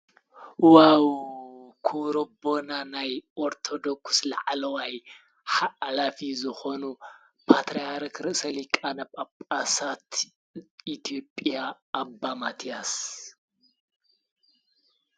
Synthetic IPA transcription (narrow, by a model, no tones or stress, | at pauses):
waw | kʰuɾobo̞nanajʔoɾt̪ʰod̪okslaʕlɐwaj | ħaʔlafizɨxonu | pʰat̪ʰɾejaɾkɾɨʔsɐlikʼanɐβʼapʼasat̪ | ʔit̪ʰijopʼjaː | bːamat̪ʰijas